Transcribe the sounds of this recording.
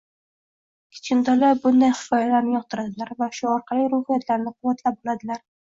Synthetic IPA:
kʲʰɪ̥t͡ʃʰɪnt̪ʰɒlaɾbʊnd̪ajχɨ̥fɒjalaɾnɪjɒq̚t̪ʰʊɾad̪ɪlaɾvaʃʊɒɾqʰɑliɾʊhijat̪laɾnɪqʰʊwat̪ʰlap̚bolad̪ɪlaɾ

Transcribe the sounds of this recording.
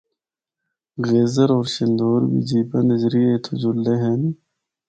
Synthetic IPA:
ɣeːzɐɾoːɾɕind̪oːɾbḭd͡ʑiːbɐnd̪ed͡ʑɾiet̪ʰud͡ʑuld̪eɦen

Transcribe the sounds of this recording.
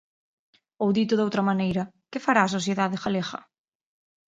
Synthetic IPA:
owðit̪ʊðowt̪ɾɐmanejɾɐ | kɪfaɾaːs̬oθjeðaðɪxalexɐ̰

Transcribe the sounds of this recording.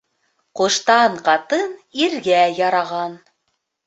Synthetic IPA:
qŏʃt̪ɑɴqɑt̪ɤniɾɡæjɑɾɑʁɑn

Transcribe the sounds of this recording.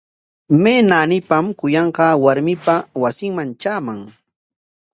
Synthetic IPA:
meːnanɪpamkʊjɑɴqɑwaɾmɪpawasɪŋmant͡ʃaːmaŋ

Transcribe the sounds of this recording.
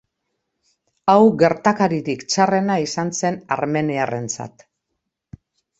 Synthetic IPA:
awɣe̞ɾt̪akaɾiɾikt͡ʃare̞naisanse̞na̰ɾme̞neare̞nt͡sa̰t̪

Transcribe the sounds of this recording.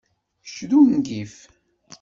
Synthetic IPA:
ʃðunɡif

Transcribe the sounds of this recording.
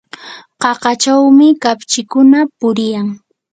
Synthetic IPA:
qɑqɑt͡ʃawmɪkapt͡ʃɪkʊnapʊɾɪjaŋ

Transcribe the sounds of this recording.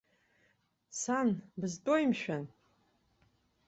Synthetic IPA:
sanbɨztʼojimʃᶣan

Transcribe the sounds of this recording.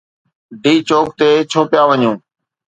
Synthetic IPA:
ɖiːt͡ʃoːk̚t̪eːt͡ʃʰoːpjaːʋəɲũː

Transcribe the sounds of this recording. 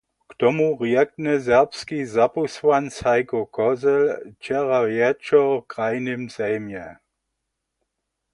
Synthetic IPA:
ktɔmuʁjɛk̚nɛzɛʁpskizapuswanshaɪkɔkʰɔzɛlt͡ʃɛʁajɛt͡ʃɔkʁaɪnimzɛːmjɛ

